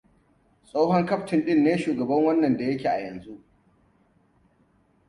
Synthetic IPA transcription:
sʼa˦hɔ˦ŋkɐ˦ɸtɪ˨nɗɪ˦nːeː˦ʃuː˨ɡɐ˨bɐ˦ŋwɐ˦nːɐ˨nda˨jɐ˦kʲeː˨ʔa̰˨jɐ˨nzu˦ʔ

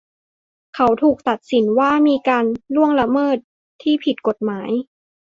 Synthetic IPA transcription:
kʰa˨˦wt̪ʰuː˨˩k̚t̪a˨˩t̪̚si˩˦nwaː˥˩miː˧kaː˧nlu˥˩əŋla˧mɤː˥˩t̪̚ʰː | iː˥˩pʰi˨˩t̪̚ko˨˩t̪̚maː˩˦j

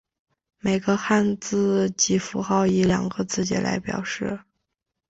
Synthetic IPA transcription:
me˨˩ɪɡə˧xa˥˧nt͡sɹ̩˥˩t͡ɕi˥˩fu˧˥xɑ˥˩ʊi˧˥ljɑ̰˨˩ŋɡə˧˦t͡sɹ̩˥˩t͡ɕjɛ̰˧˥lʔa̰˧˥ɪpjɑ̰˨˩ʊʂɻ̩˥˩

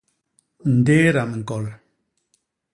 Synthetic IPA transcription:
n̩˨de˦ɾa˨m̩˨kɔ˨l

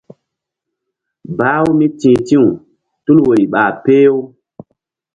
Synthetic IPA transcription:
baː˦wu˦mi˦tĩː˨tĩ˦u˨ | tu˦lwo˨ɾi˨ɓaː˨pe˦o˦

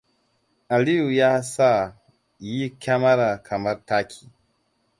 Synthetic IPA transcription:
a˨li˦u˨ja˦sa˦˨ | ji˦ka˦ma˦ɾa˨kʰa˨ma˦ɾta˦kʰi̥˨

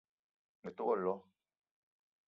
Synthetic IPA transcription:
mɛ˨tu˦ɣɔ˦˨lɔ˨˦

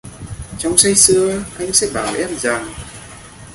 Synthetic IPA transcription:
t͡ɕɔ˧wŋ͡msa˧jsɨ˧əʔa˧jŋ̟sɛ̰˧˥ɓaː˨˩wʔɛ˦˥p̚zaː˨˩ŋ

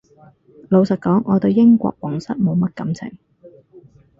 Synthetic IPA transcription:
lo˨˧wsɐ˨t̚kɔː˨˥ŋʔɔː˨˧t̪ɵ˧wjɪ˥ŋkʷɔ̰ː˧k̚wɔː˨˩ŋsɐ˥t̚mo˨˧wmɐ˥t̚kɐ˨˥mt͡sʰɪ̰˨˩ŋ

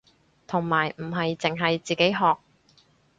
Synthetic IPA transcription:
t̪ʰʊ˨˩ŋmaː˨˩jm̩˨˩ɦɐ˨jt͡sɪ˨˩ŋɦɐ˨jt͡siː˨ke˨˥jɦɔː˨˧k̚

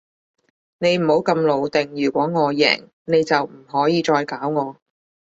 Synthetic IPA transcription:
ne˨˧jm̩˨˩ho˨˥wkɐ˧mlo˨wt̪ɪ˨ŋjyː˨˩kʷɔː˨˥ŋɔː˨˧jɛ̰ː˨˩ŋ | ne˨˧jt͡sɐ˨wm̩˨˩ɦɔː˨˥jiː˨˧t͡ʃɔː˧jkaː˨˥wŋɔː˨˧

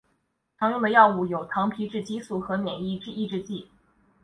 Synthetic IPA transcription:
t̪ʰɑ˧˥ŋɻu˥˩mə˧˥jɑ˥˧ʊu˥˩jo˨˩ʊt̪ʰɑ˧˥ŋpʰi˧˥ʈ͡ʂɻ̩˥˩t͡ɕi˧˥su˨˥˩xɤ˧˥njɛ˨˩ni˥˧ʈ͡ʂɻ̩˥˧i˥˧ʈ͡ʂɻ̩˥˧t͡ɕi˥˩

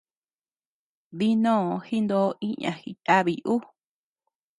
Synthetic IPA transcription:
βi˦nõ˦˨˧hi˦nd̪o˦i˦ɲã̰˧xi˧t̪a˦βi˨ʔu˦

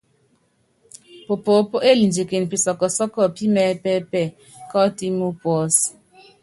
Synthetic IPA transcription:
po˨po˨˦po˦ʔe˦li˨nd͡ʒe˨ke˨n˨pi˨sɔ˨kɔ˨sɔ˦kɔ˦˨pi˦mɛ˦pɛ˦pɛ˦˨ | kɔ˦ti˦mu˦pwɔ˦s

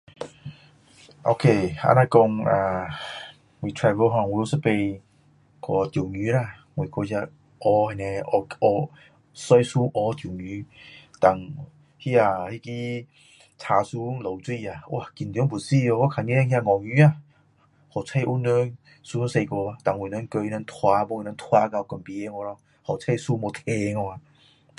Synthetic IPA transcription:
ʔo˧kʰe˧˩a̰˧˥na˧jkɔ˧ŋa˧˩ | ŋwi˨t̪ʰɹa˧və˧˦ɦɔ̃˧˨ŋwu˧o˧˦sə˦˧˥pe˧j | kɔ˧t̪jo˨˩wɲy˧˦ɾa˧˨ | ŋwe˨kʰɔ˧sja˧ | ʔɔ˧ha˧˨nɛ̃˧ɔ˧ʔɔ˧ | sɔ˧jsu˦ʔɔ˧˦t̪ju˨˩ŋy˧˦t̪a˨˩ŋ | hi˦a˧˩hi˧ki˦ | t͡sʰaː˧su˧˦ŋlo˨˩wt͡swi˧˨a˨wa˧˨ki˨nt̪ŋbu˨˩si˧˨ɔ˧kɔ˧˦kʰa˨ŋe˧˦a˧hʲj̃ã˧ŋɔ˨˩ŋy˧˦a˧˨ | hɔ˨t͡sʰa˧jʔu˧˦nə˧˦n | su˧˦se˧kɔ˧a˧t̪a˨ŋwu˨˩˨nə˧˥˦nkə˧jna˧˦nt̪ʰwa˧bɔ˧ŋ˧˨na˧nt̪ʰwa˧ka˧wkɔ˨˩npi˧e˧ŋɔ˧ɾɔ˧ | hɔ˨t͡sʰa˧su˧˦mo˧t̪ʰe˧ŋɔ˧a˨

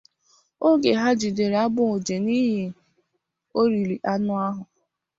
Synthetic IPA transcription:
o˦ɡe˨ɦa˦d͡ʒi˨de˨ɾa˦bʊ˦o˨d͡ʒe˨ni˦ɦi˨ | o˦ɾi˨li˨ʔa˦nʊ˦a˦ɦʊ˨

